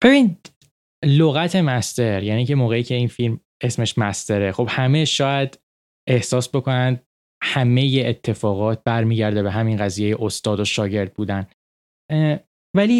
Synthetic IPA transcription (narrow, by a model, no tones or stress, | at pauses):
b̥e̞binid̪ | loɣæt̪ʰe̞mæst̪e̞ɾjæniːcʰe̞moːɣeiːcʰe̞iːnfilm | e̞sme̞ʃmæst̪e̞ɾexo̞b̥hæme̞ʃɒːjæd̪̥ | e̞hsɒːsbo̞kʰo̞nænd̪̚ | hæme̞jeʔːt̪ʰːe̞fɒːɣɒːt̪̚bæɾmiːɟæɾd̪e̞beɦæminɣæziːje̞jeʔost̪ɒːd̪oʃɒːɟe̞ɾd̪̚buːd̪æn | væli